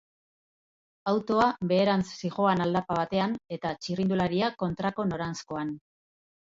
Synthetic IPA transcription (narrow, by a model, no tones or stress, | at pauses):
awt̪o̞aβe̞ːɾant͡ssiʝo̞anald̪apaβ̞at̪e̞ane̞t̪at͡ʃirind̪ulaɾiako̞nt̪ɾako̞no̞ɾansko̞an